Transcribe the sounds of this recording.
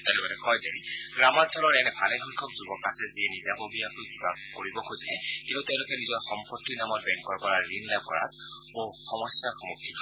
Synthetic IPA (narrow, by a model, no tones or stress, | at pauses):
talibatɛkʰɔjzɛɹi | ɡɹamat͡ʃʰɔlɔɹɛnɛbʰʱalɛxɔkʰːɔk̚zubɔkasɛziɛnizabɔbiakojkiba | koɹibɔkʰojziɛkintʊteʊ̃lʊkɛnizɔɹxɔmpotːinamɔt̚bɛŋkɔɹkɔɹaɹːinlakɔɹa̰t̚ | boxɔmɔsjaxɔmuk̚tʰikʰ